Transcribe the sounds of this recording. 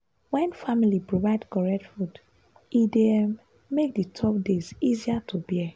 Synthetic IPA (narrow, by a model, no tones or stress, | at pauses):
wɛ̃nfamilipɹovaɪdkɔɹɛtfud | ide | mek̚ditʰɔp̚deziziatʰubɛ